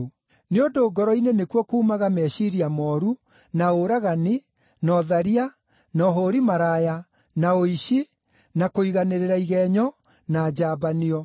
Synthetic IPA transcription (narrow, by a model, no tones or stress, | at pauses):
neondoːɡɔɾɔinenekwɔkuːmaɣamɛːʃiɾiamɔːɾu | naoɾaɣani | nɔðaɾia | nɔɦoːɾimaɾaːja | naoiɕi | nakoiɣaneɾeɾaiɣɛɲɔ | naːd͡ʑaːbaniɔ